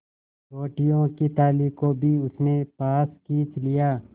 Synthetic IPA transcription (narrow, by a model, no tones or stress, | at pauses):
ɾoːʈijõkit̪aːliːkobʱiʊsnepaːskiːt͡ʃlijaː